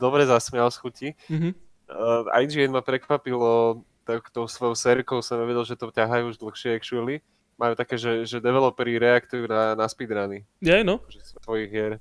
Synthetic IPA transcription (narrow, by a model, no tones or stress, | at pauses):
d̪ɔbɾɛzasmɪalsxuciɦ̩ | a̰j̪d͡ʒiɛnmapɾɛkʋapilɔ | t̪at̪ɔʊsʋɔjɔʊsɛɾkɔʊsɔnmaʋɛɟɛlʒɛt̪ɔcaɦajuːuʒd̪l̩xʃɪɛɛkʃuɛli | majuːt̪akɛːʒɛʒɛd̪ɛʋɛlɔpɛɾiɾɛakt̪ujuːnanaspid̪ɾani | jɛnɔakɔʒɛst̪ʋɔjiɣʋɪɛɾ